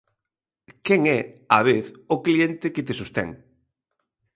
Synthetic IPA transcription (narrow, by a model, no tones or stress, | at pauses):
kɛŋɛaβeθʊkliɛnt̪ɪket̪esust̪ɛ̰ŋ